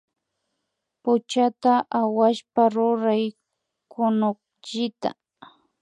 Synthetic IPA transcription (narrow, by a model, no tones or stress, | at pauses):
pʊt͡ʃat̪aʔawaʃpaɾʊɾaj | kʰʊnoχ̚ | ʎɪt̪a̰